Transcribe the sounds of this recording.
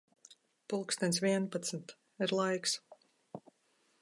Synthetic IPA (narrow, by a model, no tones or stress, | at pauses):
pulˠkst̪ʲɛns̬viɛnpat̪smt̪ | iɾlˠajks